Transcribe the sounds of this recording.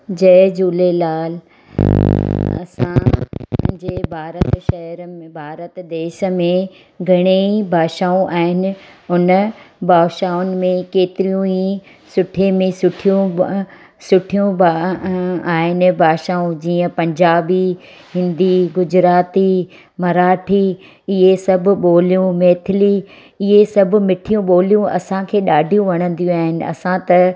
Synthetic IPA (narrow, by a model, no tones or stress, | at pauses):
d͡ʑɐːd͡ʑuːlelaːl | ɐ̰sã | d͡ʑeːbʱaːɾəʃɐɦəɾbʱaːɾət̪d̪eːʃəmẽ | ɡʱɐɽ̃eibʱaːʃaːũʔaːɦɪnɪ̆ʊnbʱaːʃaːʊnɪ̆mẽkeːt̪ɪɾijũi | sʊʈʰemẽsʊʈʰijũ | sʊʈʰijũb | aːɦɪnɪ̆bʱaːʃaːũd͡ʑiːə̃pɐ̃ɲd͡ʑaːbi | ɦɪ̃nd̪iɡʊd͡ʑɾaːt̪i | mɐɾaːʈʰiː | ɪɦesɐbʱʊ̆ɓoːlijũmeːt̪ʰɪliː | ɪɦesɐbʱʊ̆mɪʈʰijũɓoːlijũɐ̰sãkʰeːɗaːɖʱijũʋɐɽ̃ə̃n̆d̪ijũaːɦɪnɪ̆ɐ̰sãt̪ɐ